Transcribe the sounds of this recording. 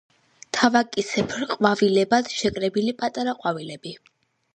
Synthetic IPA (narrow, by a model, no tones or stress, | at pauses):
t̪ʰavakʼisɛpʰɾqʼwavilɛbad̪̥ʃɛkʼɾɛbilipʼat̪ʼaɾaqʼwavilɛbi